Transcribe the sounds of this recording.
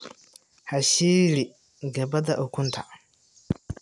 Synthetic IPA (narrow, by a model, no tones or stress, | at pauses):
haʃiɾi | ɡɐbadaʔʊkʷʊntʰa